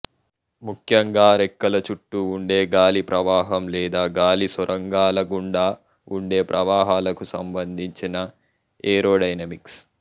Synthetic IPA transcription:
mukʰjɐŋɡaːɾekːɐlɐt͡ʃuʈːuːɳɖe̞ːɡaːlipɾɐʋaːɦɐmlɛːd̪aːɡaːlisɐɾʔɐŋɡaːlɐɡuɳɖaː | uɳɖe̞ːpɾʔɐʋaːɦaːlɐkusɐmbɐnd̪ʱiɲt͡ʃinɐ | eːɾoːɖɐjnɐmiks

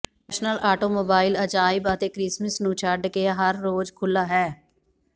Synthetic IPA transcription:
ʃnəlaːʈoːmoːbaːɪlət͡ʃaːɪbət̪eːkɾɪsmɪsnuːt͡ʃʰaɾɖkeɦəɾːoːd͡ʒkʰʊlːaːɦɛː

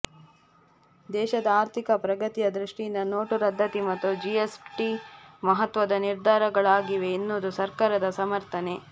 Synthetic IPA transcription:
d̪ɛːʃɐd̪ɐaːɾt̪ʰikɐpɾɐɡɐt̪ijɐd̪ɾiʂʈijind̪ɐnoːʈuɾɐd̪ʱːɐt̪imɐt̪ːud͡ʒiesʈimɐɦɐt̪ʋɐd̪ɐniɾd̪ʱaːɾɐɡɐɭaːɡiʋe̞inːud̪usɐɾkaːɾɐd̪ɐsɐmɐɾt̪ʰɐne̞

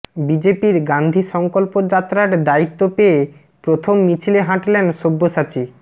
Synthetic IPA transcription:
bid͡ʑepiɾɡand̪ʱiʃɔŋkolpod͡ʑat̪ːɾaɾd̪ait̪ːopee | pɾot̪ʰomːit͡ɕʰileɦãʈlenʃobːoʃat͡ɕi

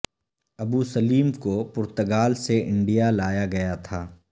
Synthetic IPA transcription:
ɐbuːsɐliːmkopʊɾt̪əɡaːlseʔɪ̃ɳɖijalaːjaɡɐjat̪ʰaː

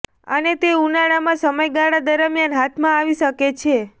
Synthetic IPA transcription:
ə̰net̪eunaɭamãsəməjɡaɭad̪əɾəmjanɦat̪ʰmãaʋiʃəket͡ʃʰe

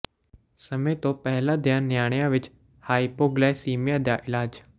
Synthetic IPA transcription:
səmẽːt̪õːpɛɦlãːd̪ɪjãːnjaːɽ̃ɪjãːʋɪt͡ʃ | haːipoːɡlɛːsiːmɪjãːd̪jaːʔɪlaːd͡ʒ

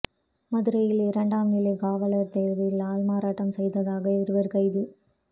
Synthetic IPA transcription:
mɐðɯɾɐjɪlɪɾɐɳɖaːmɪleːɡaːʋɐlɐɾt̪eːɾʋɐjɪlaːlmaːɾaːʈːɐmsɛjðɐðaːɣɐɪɾɯʋɐɾkɐɪðɯ

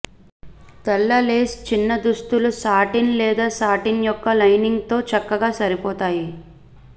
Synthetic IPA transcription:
t̪ɐlːɐleːst͡ʃinːɐd̪ust̪ulusaːʈinlɛːd̪aːsaːʈinjɔkːɐlɐjniŋɡt̪o̞ːt͡ʃɐkːɐɡaːsɐɾipɔːt̪aːji

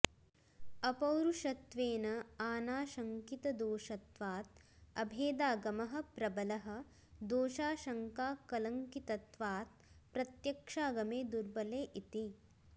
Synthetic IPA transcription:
ɐpɐwɾuʃɐt̪ʋeːnɐaːnaːʃɐŋkit̪ɐd̪oːʃɐt̪ʋaːt̪̚ | ɐbʱeːd̪aːɡɐmɐɦɐ̆pɾɐbɐlɐɦɐ̆ | d̪oːʃaːʃɐŋkaːkɐlɐŋkit̪ɐt̪ʋaːt̪̚pɾɐt̪jɐkʂaːɡɐmeːd̪uɾbɐleːʔit̪i

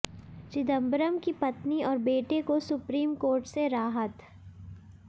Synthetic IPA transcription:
t͡ʃɪd̪ə̃mbɾəmkipɐt̪niɔːɾbeːʈekosʊpɾiːmkoːɾʈseɾaːɦət̪

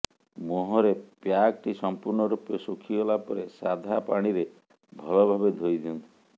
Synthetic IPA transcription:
moɦɔɾepjak̚ʈisɔmpuɾɳɔɾupesokʰiɔlapɔɾesad̪ʱapaɽ̃iɾe | bʱɔlɔbʱabed̪ʱojd̪ʰʱiɔnt̪i̥i

